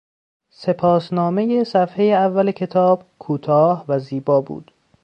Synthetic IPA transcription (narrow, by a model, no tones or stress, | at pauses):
se̞pʰɒːsnɒːme̞jesæfhe̞jeævːælecʰe̞t̪ʰɒːb̥kʰuːt̪ʰɒːhvæziːbɒːbṵːd̪̥